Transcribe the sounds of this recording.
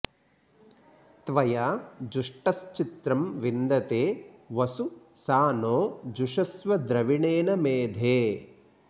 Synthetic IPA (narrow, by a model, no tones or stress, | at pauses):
t̪ʋɐjaːd͡ʒuʂʈɐst͡ʃit̪ɾɐmʋind̪ɐt̪eːʋɐsu | saːnoːd͡ʒuʂɐsʋɐd̪ɾɐʋiɳeːnɐmeːd̪ʱeː